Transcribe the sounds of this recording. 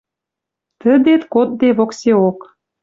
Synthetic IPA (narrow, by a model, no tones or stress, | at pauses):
t̪ə̆d̪et̪kot̪̚d̪eβokseok